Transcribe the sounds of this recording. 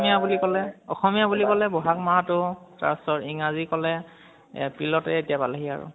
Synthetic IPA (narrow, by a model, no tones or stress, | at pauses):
mijabulikɔlɛɔ̰xɔmijabulikɔlɛbɔɦak̚matʊta̰stɔɹiŋazikɔlɛ | pɹilɔtɛetijabalaɦia̰ɹʊ̰